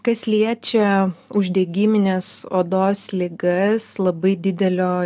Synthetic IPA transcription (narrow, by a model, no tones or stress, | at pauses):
kɐslʲiɛt͡ʃʲɛʊʒʲd̪ʲɛɡʲɪːmʲɪnʲɛsoːd̪oːslʲɪɡɐslˠɐbɐɪd̪ʲɪd̪ʲɛlʲoː